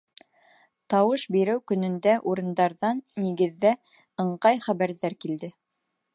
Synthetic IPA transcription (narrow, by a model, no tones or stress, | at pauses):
t̪ɑwɤʃbiɾɘwkɵ̆nɵ̆nd̪æʔuɾɤ̆nd̪ɑɾðɑnːiɡɘ̆ðːæ | ɤ̆ɴɢɑjχæβæɾðæɾkild̪ɘ